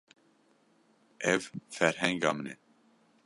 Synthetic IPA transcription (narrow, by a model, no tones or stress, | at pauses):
ʔɛvfɛɾhɛŋɡɑmnɛ